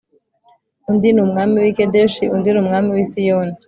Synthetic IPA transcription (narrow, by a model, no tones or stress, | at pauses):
undinumŋaːmiwikedeʃiundinumŋaːmiwisijoːni